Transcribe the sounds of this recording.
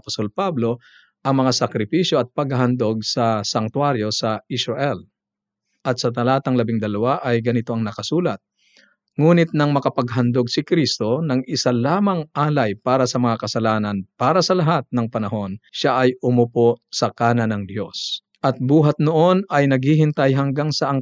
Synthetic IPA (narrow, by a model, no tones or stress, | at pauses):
pɐ̥st̪o̞lpablo̞ | ʔɐŋmɐŋasɐkɾɪpiʃjoʔɐt̪̚pɐɡ̚hɐɦɐnd̪oɡ̚sɐsɐŋt̪waɾjo̞sɐɪsɾɐʔɛl | ʔɐt̪̚sɐt̪ɐlaːt̪ɐŋlɐbɪŋd̪ɐlɐwaʔɐjɡɐnɪt̪oʔɐŋnɐkɐsuːlɐt̪̚ | ŋuːnɪt̪̚nɐŋmɐkɐpɐɡɦɐnd̪oɡ̚sɪkɾist̪o̞nɐŋɪsalaːmɐŋʔaːlɐjpaːɾɐsɐmɐŋakɐsɐlaːnɐnpaːɾɐsɐlɐɦat̪̚nɐŋpɐnɐɦo̞nʃaʔɐjʔʊmʊposɐkaːnɐnɐŋd̪jo̞s | ʔɐt̪̚buːɦɐt̪̚noʔo̞nɐjnɐɡ̚hiɦɪnt̪ajɦɐŋɡaŋsɐʔɐŋ